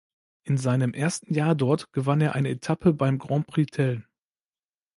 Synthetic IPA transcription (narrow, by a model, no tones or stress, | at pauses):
ʔɪnzaɪnəmʔeːɐstn̩jaːɐdɔɐtɡ̥əvaneːɐʔa̰ɪnəetʰapʰəbaɪmɡʁɑ̃pʁ̥itʰɛl